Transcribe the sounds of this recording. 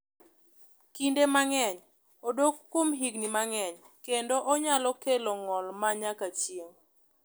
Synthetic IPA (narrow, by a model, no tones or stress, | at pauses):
kindemaŋɛɲ | odokːomɦiɡnimaŋɛɲ | kendoʔɔɲalɔkeloŋɔlmaɲakat͡ʃjeŋ